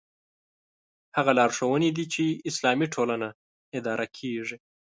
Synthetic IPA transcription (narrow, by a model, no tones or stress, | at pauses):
haɣalɑɾʂowəned̪it͡ʃeɪslɑmiʈʰolana | ɪd̪ɑɾʔakʰeʐi